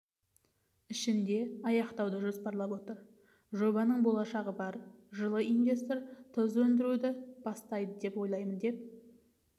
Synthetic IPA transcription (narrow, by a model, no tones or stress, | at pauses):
ɪʃɪnd̪e̞ɑjɑqt̪ɑwd̪əʒo̞spɑɾlˠɑpwo̞t̪əɾ | ʒo̞βɑnəɴbo̞lˠɑʃɑʁəbɑɾʒəlˠəinvʲe̞st̪o̞ɾt̪ʰəzwɵnd̪ɪɾud̪ɪb̥ɑst̪ɑjd̪əd̪e̞pwo̞jlˠɑjmənd̪e̞p̚